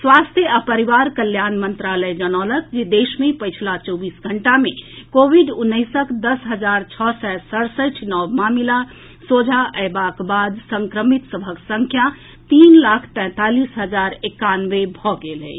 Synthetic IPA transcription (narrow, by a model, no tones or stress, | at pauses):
swast̪ʰjəapəɾiʋaɾkəljanmənt̪ɾaləjd͡ʒənɔləkd͡ʒed̪esmepəjt͡ʃʰlat͡ʃɔbisɡʱəɳʈamekobʱiɖunːəɪsəkd̪əsɦəd͡ʒaɾt͡ʃʰɔsɛsəɾsəʈʰnɔwmamila | sod͡ʒʱaʔəbakbad̪səŋkɾəmit̪səbʱəksəŋkʰja | t̪inlakʰt̪ɛ̃ːt̪alisɦəd͡ʒaɾekanʋebʱɔɡelɦɛ̰